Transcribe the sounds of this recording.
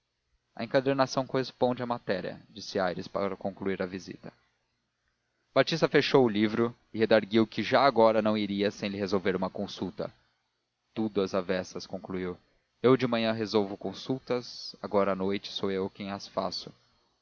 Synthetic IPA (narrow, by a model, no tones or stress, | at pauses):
ɐ̰ẽŋkad̪eɾnasɐ̃w̃kohespõd͡ʒɪamat̪ɛɾiɐ̰d͡ʒisɪajɾɪspa̰ɾɐkõŋkluiɾɐvizḭt̪ɐ̥ | bat͡ʃist̪ɐfeʃowʊlivɾʊ | ɪhed̪aɾɡiwkɪʒaːɡɔɾɐnɐ̃w̃iɾiɐsẽj̃lɪhezowveɾũmɐkõsut̪ɐ̰ | t̪ud̪ʊɐzavɛsɐskõkluiw | ewd͡ʒɪmɐ̃ɲɐ̃ɦezowvʊkõsuwt̪ɐsaɡɔɾɐːnojt͡ʃɪ̥soewkẽj̃ɐsfa̰sʊ̥